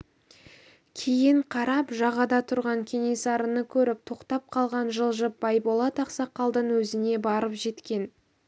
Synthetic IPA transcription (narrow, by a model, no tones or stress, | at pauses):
kʲʰejɪɴqʰɑɾɑpʒɑʁɑd̪ɑt̪ʰʊɾʁɑŋkʲʰe̞ne̞sɑɾənəkʲʰɵɾɪp̚t̪ʰo̞qt̪ɑp̚qʰɑlˠʁɑnʒəlˠʒəp̚b̥ɑjbolˠɑt̪ʰɑqsɑqːɑlˠd̪əɴwɵzɪne̞bɑɾəpʒe̞t̪kʲe̞n